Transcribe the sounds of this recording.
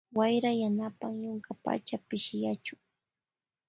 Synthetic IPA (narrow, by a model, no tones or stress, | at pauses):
wajɾajanapaŋjʊŋkapa̰t͡ʃapɪʃɪjat͡ʃʊŋ